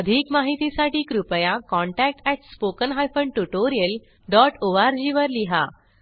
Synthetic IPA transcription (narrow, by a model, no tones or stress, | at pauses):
əd̪ʱikmaɦit̪isaʈiːkɾupəjakɔ̃ɳʈæk̚ʈɛʈspokənɦajfəɳɖʈuʈoɾijəl | ɖɔʈoʋaɾd͡ʑiʋəɾliɦa